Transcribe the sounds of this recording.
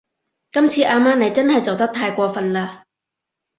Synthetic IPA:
kɐ˥mt͡sʰiː˧ʔaː˧maː˥ne˨˧jt͡sɐ˥nhɐ˨˩jt͡sɐ˨wt̪ɐ˥k̚t̪ʰaː˧jkʷɔː˧fɐ˨nlaː˧

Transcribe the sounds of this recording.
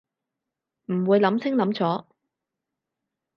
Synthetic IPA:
m̩˨˩wuː˨˧jlɐ˨˥mt͡sʰɪ˥ŋlɐ˨˥mt͡sɔː˨˥

